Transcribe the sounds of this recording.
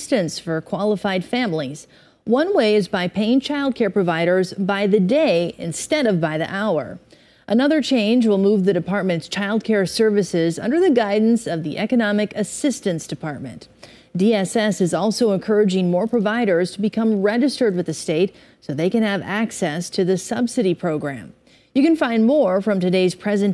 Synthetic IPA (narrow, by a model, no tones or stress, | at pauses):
stɨ̃nsfə˞kʰw̥ɑlˠəfaɪd̥fæ̃mliz̥ | wʌ̃nweɪɨzbaɪpʰeɪɪ̃ŋt͡ʃʰaɪlˠd̚kʰɛɹpʰɹ̥ɨvaɪɾə˞zbaɪðɨdeɪɨ̰̃nstɛɾʌvbaɪðḭʔaʊə̰˞ | ʔɨnʌðə˞t͡ʃʰẽɪ̃nd͡ʒwəlˠmuvðɨɾɨpʰɑɹt̚mɨ̃ntst͡ʃʰaɪlˠd̚kʰɛɹsɜ˞vɨsɪzʌ̰̃ndə˞ðɨɡaɪdⁿn̩sʌvðiʔɛkɨnɑmɨkɨsɪstɨ̃nsd̥ɨpʰɑɹt̚mɨ̰̃nt | d̥iɛsɛsɨzɔlˠsoʊə̃nkʰɜ˞ɨd͡ʒɪ̃ŋmɔɹpʰɹ̥ɨvaɪɾə˞z̥tʰəbɨkʰʌ̃mɹɛd͡ʒɨstə˞d̚wɨðɨsteɪt̚ | soʊðeɪkɨ̃nɨvæksɛstʰɨðɨsʌbsɨɾipʰɹ̥oʊɡɹæ̰̃m | jɨkɨ̃nfãɪ̃nmɔɹfɹʌ̃mtɨdeɪz̥pʰɹ̥ɛzɨ̃n